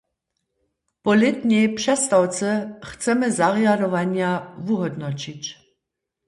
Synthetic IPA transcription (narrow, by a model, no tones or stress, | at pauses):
pɔlɪt̪ɲɛjpʂɛst̪awt͡sɛxt͡sɛmɛzaʁjadɔʋanjavuɦɔd̪nɔt͡ɕit͡ɕ